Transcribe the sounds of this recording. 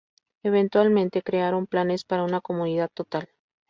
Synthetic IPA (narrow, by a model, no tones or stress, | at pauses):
e̞βe̞nt̪walmẽ̞nt̪e̞kɾe̞aɾo̞mplane̞spaɾaunako̞muniðaðt̪o̞t̪al